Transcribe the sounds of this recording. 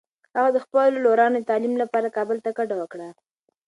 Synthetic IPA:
haɣad̪əxpəlloɾɑnod̪ət̪ɑlimlapɑɾakɑbəlt̪akaɖawəkɽa

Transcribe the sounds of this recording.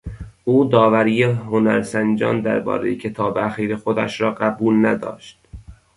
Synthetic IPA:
ʔuːd̪ɒːvæɾiːjehonæ̰ɾsænd͡ʒɒ̰ːnd̪æ̰ɾbɒ̰ːɾḛjecʰe̞t̪ʰɒːbeæxiːɾexod̪æ̰ʃɾɒːɢæbuːlnæd̪ɒ̰ːʃt̪̚

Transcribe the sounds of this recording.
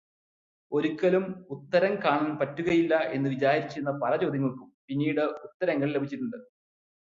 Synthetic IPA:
o̞ɾukʲːɐlumut̪ːɐɾɐŋkaːɳaːnpɐtːuɣɐjilːɐʔe̞nːɨʋid͡ʑaːhɐɾit͡ɕːiɾunːɐpɐlɐt͡ɕo̞ːd̪ʱɐŋːɐɭkumpinːiːɽɨut̪ːɐɾɐŋːɐɭle̞bʱit͡ɕːiɾunɐd̪ɨ

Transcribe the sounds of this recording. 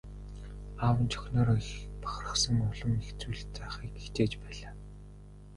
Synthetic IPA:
awə̆nt͡ɕʰœ̥xʲnɔːɾxpḁχrə̥̆χsə̆ŋʊɮɞ̆mext͡suːɮt͡seχiːkext͡ɕeːt͡ɕpæːɮaː

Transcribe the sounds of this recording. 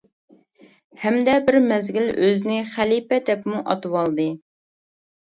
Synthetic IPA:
hɛmd̪ɛbɪɾmɛzɡʲiløzɪnɪχælipɛd̪ɛpmuʔɑ̰t̪ɨwɑlˠd̪ɨ

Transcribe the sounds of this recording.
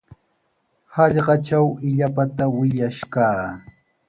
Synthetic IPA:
hɑʎɢɑʈ͡ʂawɪʎapat̪awɪʎaʃkaː

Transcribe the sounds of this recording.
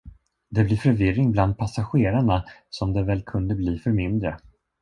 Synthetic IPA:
d̪ɛblɪɾfœɾvɪɾːɪŋbland̪̚pʰasaɧeːɾaɳasɔmd̪ɛvɛlkʰɵnd̪əbliːfœɾmɪnd̪ɾə

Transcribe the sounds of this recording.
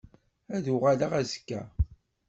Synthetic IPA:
æðuʁalaʁæzkːæ̰

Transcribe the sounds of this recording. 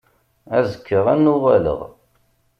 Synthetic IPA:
æzəkʰːəʁænːʊʁælə̰ʁ

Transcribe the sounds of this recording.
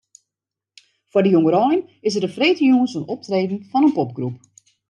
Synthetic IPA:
fʊdəjoŋəɾɔjnɪs̬ərdəfreːtəjuənsənɔp̚treːdn̩fɔnənpop̚ɡrup̚

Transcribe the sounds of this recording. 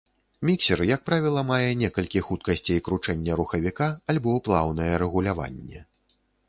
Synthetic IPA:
mʲiksʲɛrjak̚pɾavʲilˠɐmajɛnʲɛkɐlʲkʲixut̪̚kɐsʲt͡sʲiikɾut͡ʂɛnʲːɐɾuxɐvʲikaalʲbɔplˠawnɐjɛɾɛɣulʲava̰nʲːɛ̰

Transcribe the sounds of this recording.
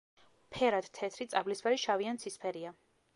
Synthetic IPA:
pʰɛɾad̪̥t̪ʰɛt̪ʰɾit̪sʼablisbaɾiʃaviansʰispʰɛɾia

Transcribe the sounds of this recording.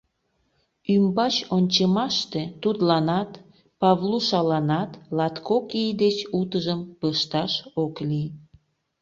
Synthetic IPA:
ymbɑt͡ɕonʲt͡ɕəmɑʃt̪e̽t̪ud̪lɑnɑt̪ | pɑβluʃɑlɑnɑt̪lɑt̪kokijd̪et͡ɕut̪əʒəmpəʃt̪ɑʃoklij

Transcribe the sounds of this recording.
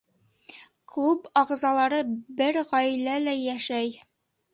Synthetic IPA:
klˠupɑʁzɑlˠɑɾɤbɘɾʁɒjlælæjæʃæj

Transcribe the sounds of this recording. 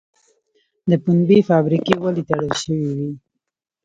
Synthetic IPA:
d̪əpunbifɑbɾikewalit̪aɽəlʃəwiwi

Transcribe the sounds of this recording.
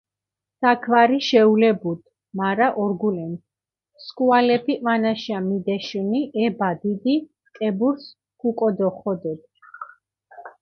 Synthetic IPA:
sakʰvaɾiʃɛulɛbud̪ | maɾaʔɔɾɡulɛns | skʼualɛpʰivanaʃamid̪ɛʃuniʔɛbad̪id̪i | kʼɛbuɾs | kʰukʼɔd̪ɔχɔd̪ɛd̪̚

